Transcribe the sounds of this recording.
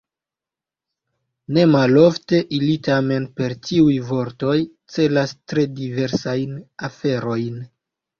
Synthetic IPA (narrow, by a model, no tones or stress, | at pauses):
ne̞malo̞fte̞ʔilitame̞npeɾtiujvo̞ɾto̞j | t͡se̞lastɾe̞dive̞ɾsajnafe̞ɾo̞jn